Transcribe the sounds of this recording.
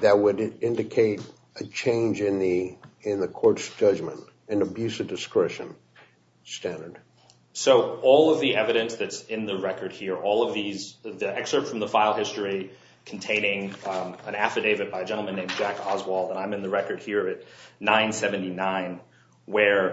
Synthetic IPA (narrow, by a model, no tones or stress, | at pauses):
ðɨt̚wəɾɪ̃ndɨkʰeɪɾ | ɨt͡ʃʰẽɪ̃nd͡ʒɨ̃nðiɪ̃nðɨkʰɔɹtsd̥ʒ̥ʌd͡ʒmɨ̰̃nt | ɨ̃nɨbjʉsʌvdɨskɹɛʃɨ̃n | stæ̃ndə˞d̥ | soʊɔlˠʌvðiɛvɨɾɨ̃nsðɨtsɪ̃nðɨɹɛkə˞d̚hiɹʔɔlˠʌvðizðiɛksə˞tfɹʌ̃mðəfaɪlˠhɪstɹ̥i | kʰn̩tʰẽɪ̃nɪ̃ŋə̃ɾ̃æfɨdeɪvɨt̚b̥aɪɨd͡ʒɛ̃ɾ̃l̩ˠmə̃nːẽɪ̃md͡ʒækɑzwɔlˠə̃ɾ̃ãɪ̃mɨ̃nðɨɹɛkə˞d̚hiɹʌɨtⁿnãɪ̃nsɛvɨ̃n̩tinãɪ̃n | wə˞